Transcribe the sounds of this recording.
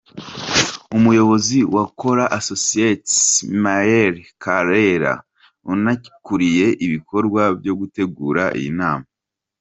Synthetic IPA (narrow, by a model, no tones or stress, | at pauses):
umujo̞βo̞ziwako̞ɾaʔasosietmaeɾkaɾeɾa̰ | unai̥kuɾije̞ʔiβikʰo̞ɾɡwabjo̞ɡute̞ɡuːɾa̰ʔḭjḭnaːma